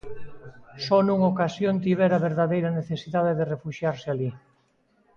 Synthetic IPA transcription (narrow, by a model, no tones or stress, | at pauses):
sɔnuŋokasjont̪iβɛɾaβeɾðaðejɾɐneθesiðaðeðerefuʃjaɾsɪali